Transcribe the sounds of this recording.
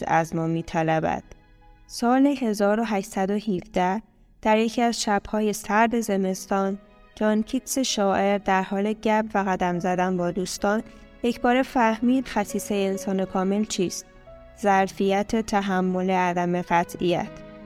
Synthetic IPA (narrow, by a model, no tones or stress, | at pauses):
æzmɒːmiːt̪ʰælæbæ̰d̪̥ | sɒːleɦe̞zɒːɾo̞ɦæʃsæd̪o̞hivd̪æh | d̪̥æɾje̞cʰiæzʃæb̥hɒːje̞sæɾd̪e̞ze̞me̞st̪ɒːn | d͡ʒʰɒncʰikse̞ʃɒːʔe̞ɾd̪æɾhɒːle̞ɟæbvæɣæd̪æmzæd̪ænbɒːd̪uːst̪ɒːnje̞cʰbɒːɾe̞fæhmiːd̪̥xæsiːseelsɒːne̞kʰɒːme̞lt͡ʃʰiːst̪̚ | zæɾfijæt̪ʰe̞t̪ʰæɦæmːo̞leæd̪æme̞ɣæt̪ʰijæ̰t̪ʰ